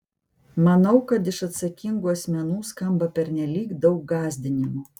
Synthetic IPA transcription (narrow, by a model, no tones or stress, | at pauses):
mɐnɐʊkɐt̪ɪʃɐt̪sɐkʲɪŋɡuːɐsʲmʲɛnuːskɐmbɐpʲɛɾnʲɛlʲiːkd̪ɒʊk̚ɡɑːzʲd̪ʲɪnʲɪmu